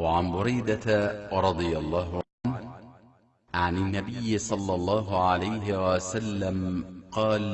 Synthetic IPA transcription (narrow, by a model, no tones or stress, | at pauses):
waʕanbʊɾajd̪at̪aɾˤɑd̪ˤɨjalˤːɑːɦʊʕan | ʕanɪnːabɪjːɪsˤɑlːɑlˤːɑːɦʊʕalajɦɪwasalːamqɑːl